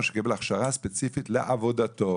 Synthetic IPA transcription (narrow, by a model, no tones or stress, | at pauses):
ʃe̥kibelaχʃaʁaspet͡sifitleʔavo̞d̪at̪o